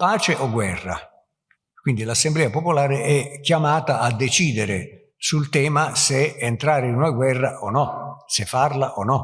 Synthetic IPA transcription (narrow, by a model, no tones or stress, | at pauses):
paːt͡ʃɪʔɔɡwɛrːa̰ | kwind̪ilasːemblɛːapopolaːɾɪʔɛkːjamaːt̪aʔad̪ːet͡ʃiːd̪eɾɪ̰ | sult̪ɛːmaseːnt̪ɾaːɾɪinunaɡwɛrːaʔɔnɔsɪfːarlaʔɔnɔ